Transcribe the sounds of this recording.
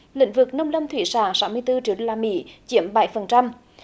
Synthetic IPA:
lḭ̈˧˥ŋ̟vɨ˨˩k̚nə˧wŋ͡mlə˧wŋ͡mt̪ʰwi˧˩saː˧˨˩ŋsaː˨˦wmɨ˧əjt̪ɨ˧t͡ɕḭ˧˦əɗo˧laː˧mḭ˧˥t͡ɕi˧˩˦əmɓa˧˩˦jfə˨˩nt͡ɕa˧m

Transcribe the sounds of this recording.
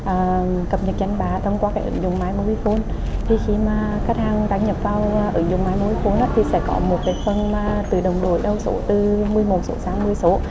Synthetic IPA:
ʔəː˨˩kə˨˩p̚ɲə˨˩t̚t͡ɕa˧jŋ̟ɓaː˨˩t̪ʰə˧wŋ͡mkwaː˧kaː˨˦jʔɨ̰˧˦ŋzʊ̰˨˩ŋ͡mmaː˧jmo˧ʔi˧fo˧n | t̪ʰi˨˩xi˧maː˨˩ | ka˦˥k̚t̚haː˧ŋɗaː˧˦ŋɲə˨˩p̚vaː˧wʔɨ̰˨˧˦ŋzʊ˨˩ŋ͡mmaː˨˧˦jmo˧i˧fo˧nʔaː˨˦t̪ʰi˨˩sɛ̰˧˥kɔ̰˨˦mo˨˩t̚kaː˨˦jfə˧˩nmaː˨˩t̪ɨ˨˩ɗə˨˩wŋ͡mɗo˧˩əjɗə˧wso̰˧˨˦t̪ɨ˧˩mɨ˧əjmo˨˩t̚so̰˧˦saː˨˦ŋmɨ˧əjso˧˨˦

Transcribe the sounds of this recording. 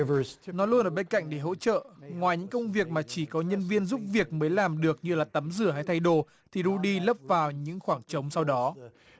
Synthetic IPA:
vəznɔ˨˦lu˧ənʔəː˧˩ɓe˧nka̰˧˨jŋ̟ɗe˧˩ɦo̰˧˥t͡ɕə̰ː˧˨ŋwaː˨˩jɲɨ̰˧˥ŋkə˧wŋ͡mvi˨˩ək̚maː˨˩t͡ɕi˧˩kɔ˨˦ɲə˧nvi˧ənzu˦˥p̚vi˨˩ək̚məː˨˦jlaː˨˩mɗɨ˨˩ək̚ɲɨ˧laː˨˩t̪ə˨˦mzɨ˧˩əhɦa˧jt̪ʰa˧jɗo˧˩ | t̪ʰi˨˩ɗu˧ɗi˧lə˦˥p̚vaː˨˩wɲɨ̰˧˥ŋxwaː˧˩ŋt͡ɕə˨˦wŋ͡msa˧wɗɔ˨˦

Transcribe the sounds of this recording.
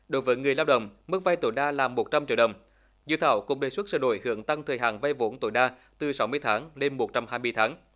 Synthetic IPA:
ɗo˨˦jvəː˨˦jŋɨ˨˩əjlaː˧wɗə̰˧˨wŋ͡mmɨ˦˥k̚va˧jt̪o̰˧˩jɗaː˧laː˨˩mːo˨˩t̚t͡ɕa˧mt͡ɕḭ˧˨wɗə˨˩wŋ͡m | zɨ̰˧˨t̪ʰaː˧˩wkʊ̰˧˥ŋ͡mɗe˨˩swə˦˥t̚sə̰ː˧˩no̰˧˩jhɨ̰˧˨əŋt̪a˧ŋt̪ʰəː˨˩jɦaː˨˩nva˧jvo̰˧˦nt̪o̰˧˩˦jɗaː˧ | t̪ɨ˨˩sa˨˦wmɨ˧əjt̪ʰaː˨˦ŋne˧mːo˨˩t̚t͡ɕa˧mhaː˧jmɨ˧jt̪ʰaː˨˦ŋ

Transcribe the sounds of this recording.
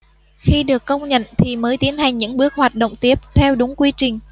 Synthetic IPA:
xi˧ɗɨ˨˩əkːə˧wŋ͡mɲə̰˧˨nt̪ʰi˨˩məː˨˦jt̪i˨˦ənha˨˩jŋɲɨ̰˧˥ŋɓɨ˦˥ək̚hwaː˨˩t̚ɗo̰˧˨wŋ͡mt̪i˦˥əp̚t̪ʰɛ˧wɗʊ˨˦ŋ͡mkwi˧t͡ɕï˨˩ŋ̟

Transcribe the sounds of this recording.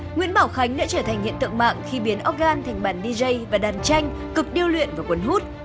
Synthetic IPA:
ŋwḭ˧˥ənɓaː˧˩wxa˨˦jŋ̟ɗa̰ː˧˥t͡ɕəː˧˩t̪ʰa˨˩jŋ̟hḭ˧˨ənt̪ɨ̰˧˨ŋma̰ː˧˨ŋxi˧ɓi˨˦ənʔɔ˦˥t̚ɣaː˧nt̪ʰa˨˩ŋ̟ɓaː˧˩nɗi˧zə˧jvaː˨˩ɗaː˨˩nt͡ɕa˧jŋ̟ | kɨ˨˩k̚ɗi˧əwlwḭ˧˨ənvaː˨˩kwə˨˦nhu˦˥t̚

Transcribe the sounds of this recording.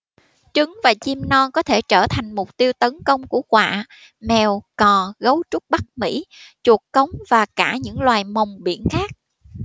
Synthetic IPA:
t͡ɕɨ˨˦ŋvaː˨˩t͡ɕi˧mnɔ˧nkɔ˨˦t̪ʰe˧˩t͡ɕəː˧˩t̪ʰa˨˩jŋ̟mʊ˨˩k͡p̚t̪i˧əwt̪ə˨˦nkə˧wŋ͡mku˧˩əkwa̰ː˧˨ | mɛ˨˩wkɔ˨˩ɣə˨˦wt͡ɕu˦˥k͡p̚ɓa˦˥k̚mḭ˧˥t͡ɕu˨˩əkkə˨˦wŋ͡mvaː˨˩kaː˧˩ɲɨ̰˧˥ŋlwaː˨˩jmə˨˩wŋ͡mɓḭ˧˩ənxaː˦˥k̚

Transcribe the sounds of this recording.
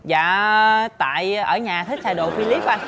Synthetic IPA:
za̰ː˧˨˩t̪a̰ː˧˨jʔəː˧˩ɲaː˨˩t̪ʰi˦˥k̚sʰaː˧jɗo̰˧˨fi˧li˦˥p̚ʔa˧n

